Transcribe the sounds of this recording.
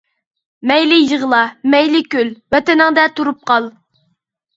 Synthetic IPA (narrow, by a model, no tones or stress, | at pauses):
mɛjlɪjəʁəlˠɑmɛjlɪkʲølbɛt̪ɪnɪŋd̪ɛt̪ʰuɾup̚qʰɑlˠ